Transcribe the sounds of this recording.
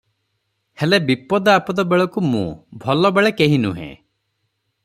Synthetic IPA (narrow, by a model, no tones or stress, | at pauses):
helebipɔd̪ɔapɔd̪ɔbeɭɔkumṵ̃bʱɔlɔbeɭekeɦinũɦḛ̃